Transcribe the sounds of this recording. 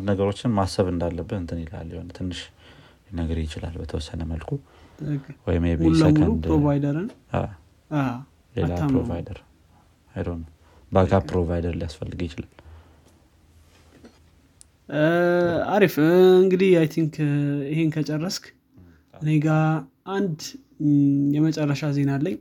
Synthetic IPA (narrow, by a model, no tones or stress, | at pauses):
nd̪nəɡəɾo̞t͡ʃːɪnmasəβɨnd̪alːəbːɨt̪ɨnt̪ʰɨnɪla̰lːjɪhonət̪ʰɨnːɨʃ | jnəɡəɾjɪt͡ʃɪla̰lbət̪ʰəwɔsːənəməlkʰu | wɔjɪmebmulsbəmulund̪ɾovajd̪əɾɨna̰ | a | lelaamɾovajd̪əɾ | ajd̪əhnəw | bakapːɾovajd̪əɾlijasfəlːɨɡjɪt͡ʃɪlal | aɾifɨŋɡɨd̪ihjajt̪ʰiŋkihenkʰət͡ʃʼərːəsk | ɨne̞ɡa | ʔand̪ | jɛmət͡ʃʼɛrːəʃaze̞nalːəɲː